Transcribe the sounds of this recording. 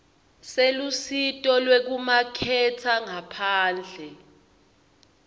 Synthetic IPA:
selusitʼɔlwek̬umakʰɛtʰaŋapʰaːnd͡ɮʱɛ

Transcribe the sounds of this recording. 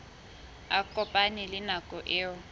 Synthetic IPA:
akʼɔpʼanilɪnakʼɔʔɪːwɔ

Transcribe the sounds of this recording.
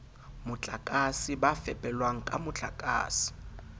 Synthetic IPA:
mʊt͡ɬʼakʼasibafɛpʼɛlwaŋ̩kʼamʊt͡ɬʼakʼa̰ːsi̥

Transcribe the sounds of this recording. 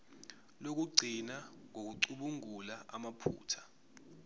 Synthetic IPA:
lok̬uɡ͡ǀʱinaŋʱok̬uǀuɓuŋulaamapʰṵːtʰḁ

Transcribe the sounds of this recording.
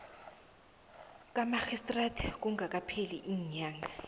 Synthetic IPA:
kʼamaxistʼratʰk̬ʼuŋɡʱakʼapʰeliʔiːɲaːŋɡa

